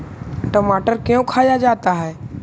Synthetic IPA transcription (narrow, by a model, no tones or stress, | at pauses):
ʈəmaːʈəɾkejõkʰaːjad͡ʒaːt̪aɦɛe